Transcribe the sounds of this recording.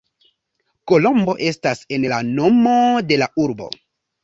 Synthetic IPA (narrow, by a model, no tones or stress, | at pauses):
ko̞lo̞mbo̞ʔe̞stase̞nlano̞mo̞de̞laʔuɾbo̞̰